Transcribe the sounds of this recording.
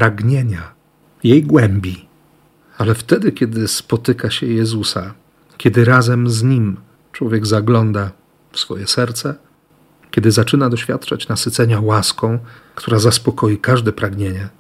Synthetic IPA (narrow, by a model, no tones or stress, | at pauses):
pɾaɡɲeɲa | jejɡwɛmbʲi | alɛft̪ɛd̪ɘkʲɛd̪ɘspɔt̪ɘkaɕɛjɛzusa | kʲɛd̪ɘɾazɛmzɲim | t͡ʂwɔvʲjɛɡzaɡlɔnd̪a | fsfɔ̰jɛsɛɾt̪sɛ | kʲɛd̪ɘzat͡ʂɘnad̪ɔɕfʲjat̪t͡ʂat͡ɕnasɘt̪sɛɲawaskɔ̃w̃kt̪uɾazaspɔkɔjikaʐd̪ɛpɾaɡɲeɲɛ